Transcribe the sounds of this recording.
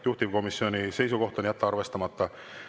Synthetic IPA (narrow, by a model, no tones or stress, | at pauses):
juht̪ivko̞misːio̞nise̞js̬uko̞ht̪onjæt̪ːeɑɾve̞st̪ɑmɑt̪ˑːɑ